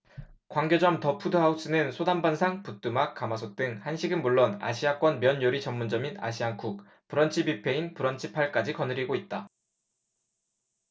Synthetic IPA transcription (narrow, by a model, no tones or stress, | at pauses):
kwaŋɡed͡ʑʌmtʌpʰudoɦaus͈ɯnɯnsʰodambansʰaŋput͈umak̚k͈amasʰot͈ɯŋhanɕʰiɡɯnmuɭːona̰ɕʰiak͈wʌnmjʌnjoɾit͡ɕʌmːund͡ʑʌmina̰ɕʰiaŋkʰuk̚ | pɯɾʌnt͡ɕʰibipʰe̞inpɯɾʌnt͡ɕʰipʰaɭk͈ad͡ʑikʌnɯɾiɡoit̚t͈a